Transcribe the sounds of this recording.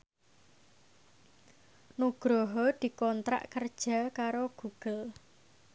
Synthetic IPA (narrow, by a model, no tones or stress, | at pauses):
nuɡ̥ɾoɦɔd̪̥i̤kɔnt̪ɾa̰ʔkərd̥ʒ̥a̤kaɾoɡ̥ṳɡ̥ə̤l